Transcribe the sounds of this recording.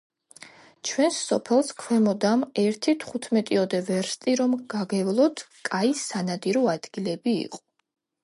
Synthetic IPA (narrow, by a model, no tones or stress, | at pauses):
t͡ʃʰwɛnsːɔpʰɛlˠskʰwɛmɔd̪amɛɾt̪ʰit̪ʰχut̪ʰmɛt̪ʼiɔd̪ɛvɛɾst̪ʼiɾɔmɡ̥aɡɛvlˠɔt̪ʰkʼaisanad̪iɾɔad̪̥ɡilɛbḭːqʼɔ̥